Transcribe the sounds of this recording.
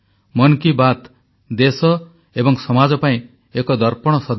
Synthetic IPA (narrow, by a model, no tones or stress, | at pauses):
mɔnkibat̪ | d̪esɔ | ebɔŋsɔmad͡ʒɔpaĩ | ekɔd̪ɔɾpɔɽ̃ɔsɔd̪